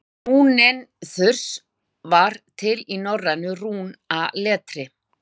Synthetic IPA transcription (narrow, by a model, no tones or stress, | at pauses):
nuːnɛnθʏr̥s | vaɾ̥t̪ʰɪlinɔranːʏruːnalɛːt̪ɾɪ